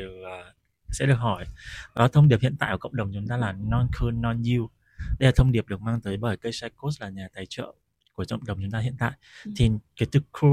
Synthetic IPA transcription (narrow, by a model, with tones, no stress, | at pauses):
sɛ̰˧˥ɗɨ˨˩ək̚hɔ˧˩jɗɔ˨˦t̪ʰə˧wŋ͡mɗi˨˩əp̚hḭ˧˨nt̪a̰ː˧˨jkkə̰˧˨wŋ͡m̚ɗə˨˩wŋ͡mt͡ɕʊ˨˦ŋ͡mt̪aː˧laː˨˩nɔ˧nkʰəː˧nːɔ˧ni˧w | ɗə˧jlaː˨˩t̪ʰə˧wŋ͡mɗi˨˩əp̚ɗɨ˨˩ək̚maː˧ŋt̪əː˨˦jɓəː˧˩jkə˧jsa˧˥jko˦˥s̚laː˨˩ɲaː˨˩t̪aː˨˦jt͡ɕə̰ː˧˨ | ku˧˩əkə̰˧˨wŋ͡mɗə˨˩wŋ͡mt͡ɕʊ˨˦ŋ͡mt̪aː˧hḭ˧˨ənt̪a̰ː˧˨jt̪ʰi˨˩kaː˨˦jt̪ɨ˨˦kʰːu˧